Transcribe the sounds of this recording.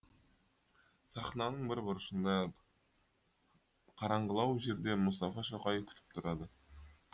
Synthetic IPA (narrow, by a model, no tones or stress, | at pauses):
sɑχnɑnəɴbɪɾbʊɾəʃənd̪ɑ | qʰɑɾɑɴʁəlˠɑwʒe̞ɾd̪e̞mʊst̪ɑfɑʃoqɑjevkʲʰʏ̥t̪ɪ̥p̚t̪ʰʊɾɑd̪ə